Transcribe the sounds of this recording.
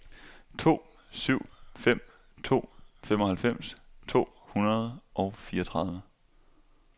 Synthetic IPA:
t͡sʰo̝̰ː | syʊ̰fem̰ | t͡sʰo̝̰ːfemɒ̽hælfem̰st͡sʰo̝̰ː | hunɐð̞ˠʔɒ̽ʊfiːɐt͡sʰʁɑ̈ð̞ˠʋə

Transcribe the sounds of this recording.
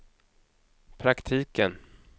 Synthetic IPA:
pʰɾakt̪ʰiːkən

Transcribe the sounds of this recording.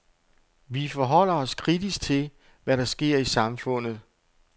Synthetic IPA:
ʋifɒɦɒ̽l̰ɐɒ̽skʰʁid̥isɡ̥̚t͡sʰe̝l | ʋæɾɑ̈sɡ̥e̝ɐ̰isɑ̈mfɔ̽n̰ð̩ˠ

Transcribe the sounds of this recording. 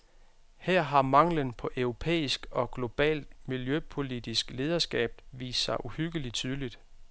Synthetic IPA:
hɛɐ̰ɦɑ̈mɑ̈ŋ̰lənpʰɒ̽ʔœʊʁo̝pʰḛːisɡ̥ɒ̽ɡ̥lo̝b̥ɛ̰ːld̥̚miljøpʰo̝lid̥isɡ̥le̝ːð̞ˠɐsɡ̥ɛ̰ːb̥̚ʋḭːssɑ̈ɪʔuhyɡ̥əlit͡sʰyð̞ˠlid̥

